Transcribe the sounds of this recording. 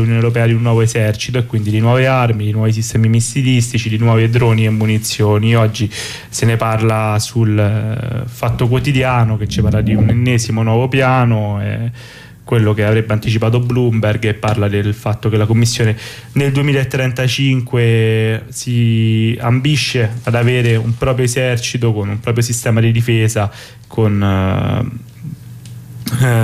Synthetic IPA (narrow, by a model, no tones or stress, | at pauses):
unjoːnewɾop̬ɛːad̪iunːwɔːvoezɛrt͡ʃi̥t̪oekːwind̪id̪inwɔːvearmid̪inwɔːvis̬ist̪ɛːmimist̪ilist̪it͡ʃid̪inwɔːvied̪ɾɔːniemːunit̪sːjoːniɔd͡ʒːi | seneparlasul | fat̪ːok̬wot̪id̪jaːnoket͡ʃːipaɾlad̪iunmenːeːzimonwɔːvopjaːnoɛ̰ | kwelːokeavɾebːeant̪it͡ʃipaːt̪̬oablumberɡepːarlad̪elfat̪ːokelakomːisːjoːne | neld̪uemiːlaet̪ːɾɛnt̪at͡ʃiŋkwesia̰mbiʃːead̪aveːɾeumpɾɔːpɾjoezɛrt͡ʃit̪okonumpɾɔːpɾjosist̪ɛːmad̪id̪ifeːza | kʰon